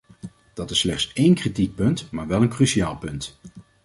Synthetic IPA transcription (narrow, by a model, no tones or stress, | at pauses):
d̥ɑtɪsːlɛχtsejnkritik̚pɵntmaːɹʋɛlˠənkryʃiaːlˠpɵnt